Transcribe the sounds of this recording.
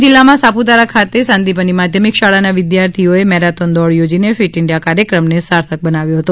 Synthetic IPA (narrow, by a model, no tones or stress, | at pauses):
d͡ʒɪlːamãsapud̪aɾakʰat̪esãnd̪ipənimad̪ʱjəmikʃaɭanaʋɪd̪jaɾt̪ʰioemɛɾat̪ɔnd̪ɔɭjod͡ʒinefiʈɪɳɖijakaɾjəkɾəmnesaɾt̪ʰək̚bənaʋjõɦət̪o